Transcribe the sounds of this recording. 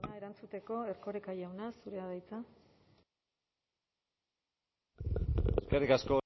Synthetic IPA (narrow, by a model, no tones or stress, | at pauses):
nae̞ɾant͡sut̪e̞ko̞e̞rko̞ɾekajawnasuɾe̞aðajt͡sa | eskerikasko̞